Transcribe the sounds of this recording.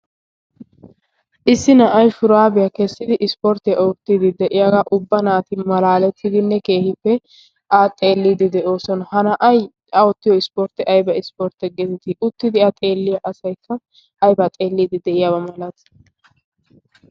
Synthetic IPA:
ʔɪsːɪnɐʔɐjfʊɾaːbɪjɐkɛsːɪd̪ɪʔɪspɔɾt̪ɪjɐʊt̪ːid̪ɪd̪ɛʔɪjaɡaʔʊbːɐnaːt̪ɪmɐlaːlɛt̪ːɪd̪ɪnːɛke̞ːhɪpːɛ | ʔaːt̪ʼe̞ːlːid̪ɪd̪ɛʔo̞ːsɔnɐhɐnɐʔɐj | ɐɔt̪ːɪjɔɪspoːɾt̪ɪʔɐjbɐɪspoːɾt̪ɛɡɛzɛt̪ɪʔʊt̪ːɪd̪ɪɐt̪ʼe̞ːlːɪjɐʔɐsɐjkʰːɐ | ɐjbɐt̪ʼe̞ːlːiːd̪ɪd̪ɛʔɪjabɐmɐlɐt̪

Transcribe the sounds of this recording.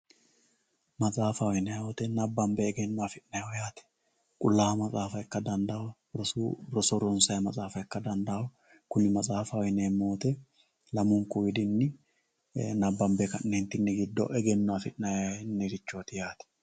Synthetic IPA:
mɐt͡sʼaːfɐwɔjnɐjɐwɔt̪ɛnɐbːɐmbɛːɡɛnːɔafɪʔnɐjwjaːt̪ɛ̥ | kʼʊlːaːmɐt͡sʼaːfɐjkːɐd̪ɐnd̪ɐw | ɾɔɾɔsɔɾɔnsɐjmɐt͡sʼaːfɐjkːɐd̪ɐnd̪ɐw | kʊnːɪmɐt͡sʼaːfɐwɔjneːmːoːt̪ɛ | lɐmʊŋkʊwɪd̪ɪnːɪ | nɐbːɐmbɛkɐnneːnt̪ːɪnːɛɡɪd̪ːɔ̰ʔɛɡɛnːɔafɪʔnɐjnːɛɾɪt͡ʃːo̞ːt̪ɪjaːt̪ɛ̥

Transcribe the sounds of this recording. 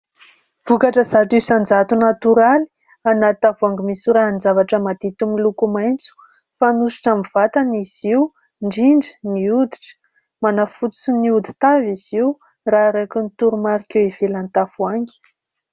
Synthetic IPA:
v̥ukaʈ͡ʂəzat̪isand͡zat̪unat̪uɾali̥ | anat̪avaŋɡimisuɾanzavaʈ͡ʂəmad̪̥it̪umilukumajnt͡su̥ | fanusi̥ʈ͡ʂamiv̥at̪aniziw | ɳɖ͡ʐiɳɖ͡ʐi̥niud̪iʈ͡ʂə̥ | manafut͡s̪i̥suniud̪i̥t̪aviz̥iw | raɾakunit̪uɾumaɾikʲewivelanit̪afuaŋɡi̥

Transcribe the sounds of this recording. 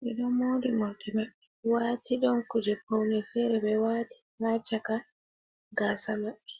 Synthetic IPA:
ʔɛɗɔmoːdimɔldɛmaɓːɛ | waːtiɗɔnkud͡ʒɛpownɛfɛɾɛbɛwaːti̥hat͡ʃaka | ɡasamaɓːɛ

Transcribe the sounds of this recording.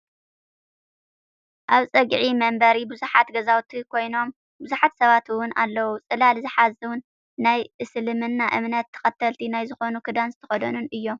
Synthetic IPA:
ʔaβt͡sʼɨɡʕimɐmbɐɾibɨzuħat̪ɡɐzawt̪ʰikʰo̞jno̞m | bɨzuħat̪sɐβat̪ʰwʊna̰lːɐwut͡sʼɨlalzɨħazɨwʊn | najʔɨsɨlɨmɨnːaʔɨ̰mnɐt̪ʰːɐ̥xʼɐt̪ʰːɐlt̪ʰinajzɨxo̞nukʰɨd̪anzɨt̪ʰɐxɐd̪ɐnunɨjːo̞m

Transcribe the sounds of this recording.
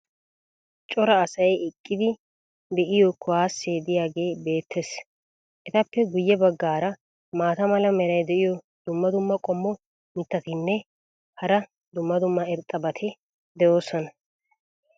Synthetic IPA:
t͡ʃʼɔɾɐːsɐjɛkʼːɪd̪ɪ | d̪ɛʔɪjɔkʰʊwaːsːeːd̪ɪjaːɡe̞ːbe̞ːt̪ʰːes | ʔɛt̪ɐpːɛɡʊjːɛbɐɡːaːɾɐ | maːt̪ɐmɐlɐmɛɾɐjd̪ɛʔɪjɔ | d̪ʊmːɐd̪ʊmːɐkʼɔmːɔ | mɪt̪ːɐt̪ɪnːɛ | hɐɾɐ | d̪ʊmːɐd̪ʊmːɐɛɾt̪ʼːɐbɐt̪ʰɛ | d̪ɛjo̞ːsːɔnɐ

